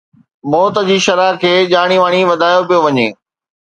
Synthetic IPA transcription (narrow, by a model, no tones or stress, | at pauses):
mɔːt̪əd͡ʑiːʃɐɾaːkʰeːʄaːɽ̃iʋaːɽ̃iʋɐd̪ʱaːjopijoʋɐɲeː